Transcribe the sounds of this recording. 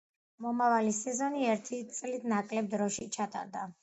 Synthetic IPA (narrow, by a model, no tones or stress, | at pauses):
mɔmavalisɛzɔniɛɾt̪ʰit̪sʼlit̪ʰnakʼlɛb̚d̪ɾɔʃit͡ʃʰat̪ʼa̰ɾd̪a